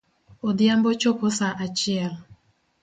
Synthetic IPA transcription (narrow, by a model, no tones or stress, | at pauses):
odjambot͡ʃoposaʔat͡ʃɪɛl